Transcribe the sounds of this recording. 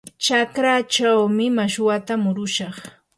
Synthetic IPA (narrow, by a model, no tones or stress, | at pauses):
t͡ʃakɾat͡ʃawmɪmaʃwat̪amʊɾʊʃɑχ